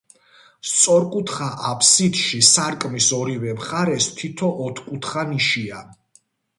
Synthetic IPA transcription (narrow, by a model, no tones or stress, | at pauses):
st̪sʼɔɾkʼut̪ʰχaʔapʰsid̪ʃisaɾkʼmisɔɾivɛmχaɾɛst̪ʰit̪ʰɔʔɔt̪ʰkʼut̪ʰχaniʃia